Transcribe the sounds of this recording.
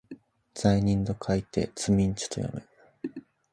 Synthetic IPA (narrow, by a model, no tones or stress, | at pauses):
d͡z̥aiɲ̟ĩnd̪o̞kʰait̪e̞̰t͡sɨmʲĩɲ̟t͡ɕi̥t̪o̞jo̰me